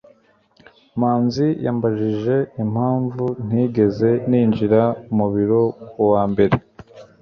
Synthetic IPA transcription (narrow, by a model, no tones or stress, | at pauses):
maːnzijaːmbaʒiʒe̞im̥haːɱvun̥iːɡe̞ze̞niːnd͡ʒiɾaumuβiɾo̞kwaːmbe̞ɾe̞